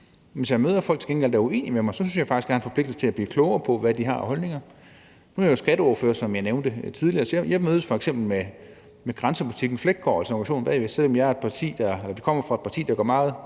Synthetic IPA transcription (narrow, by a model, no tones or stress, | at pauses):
ʋesjɑmøːðˠɐfɒ̽l̰ɡ̥̚t͡sʰe̝ɡ̥enɡeld̥æɐue̝̰ːnimemɑ̈ɪsɒ̽synsjɑ̈ɪfɑ̈ɡ̥isɡ̥jæhæenfɒpʰle̝ɡ̥d̥̩sə̥t͡sʰe̝æb̥liːkʰlɔʊɐpʰɒ̽ʋæd̥iɦɑ̈hɒ̽lne̝ŋɐ | nuæjosɡ̥æɾ̥əɔɐføːɐsɒ̽mjɑ̈ɪneʊnd̥ət͡sʰiðˠliɐsjjɑmøːð̞ˠəsfɒ̽eɡ̥sem̰b̥l̩me | meɡ̥ʁɑnsəpʰuli̥t͡sʰiɡ̥n̩fleɡ̥̚ɡɒ̰ælsəɑŋɡæɕo̝̰ːn̩b̥ɛ̰ːʋesel̰ɒ̽mjɑɐe̝d̥̚pʰɑ̈t͡sʰḭːd̥ɑelɐd̥ikʰɒ̽m̰ɐfʁɑ̈e̝d̥̚pʰɑ̈t͡sʰḭːd̥ɑ̈ɡ̥ɶ̰ɐmɑ̈ːð̞̩ˠ